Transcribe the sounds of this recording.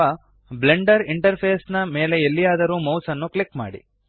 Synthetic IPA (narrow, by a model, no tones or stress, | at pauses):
ɐ | bleɳɖɐɾiɳʈɐɾpʰeːsnɐme̞ːle̞elːijaːd̪ɐɾuːmɐwsɐnːuklikma̰ːɽḭ